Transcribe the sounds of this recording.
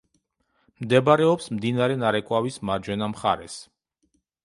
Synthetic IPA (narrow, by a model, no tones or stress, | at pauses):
md̪ɛbaɾɛɔpsmd̪inaɾɛnaɾɛkʼwavismaɾd͡ʒwɛnamχa̰ɾɛs